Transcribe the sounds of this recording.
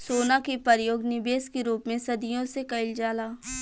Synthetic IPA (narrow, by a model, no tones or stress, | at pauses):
soːnakipəɾjoːɡnɪbeːskiɾuːpmẽsɐd̪ɪjõsekɐɪld͡ʒaːlaː